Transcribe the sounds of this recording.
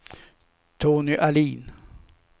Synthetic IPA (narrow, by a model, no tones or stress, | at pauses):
t̪ʰoːnʏʔaliːn